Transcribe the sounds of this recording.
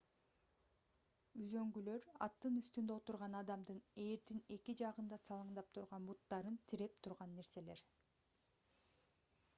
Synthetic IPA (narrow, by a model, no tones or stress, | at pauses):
yzø̞ŋɡylø̞ɾɑ̰t̪ːɯnyst̪ynd̪øot̪uɾʁɑnɑd̪ɑmd̪ɯne̞ːɾd̪ine̞kid͡ʒɑʁɯnd̪ɑsɑlˠɯɴd̪ɑp̚t̪ʰuɾʁɑnbut̪ːɑɾɯnt̪ʰiɾe̞p̚t̪ʰuɾʁɑnːe̞ɾse̞le̞ɾ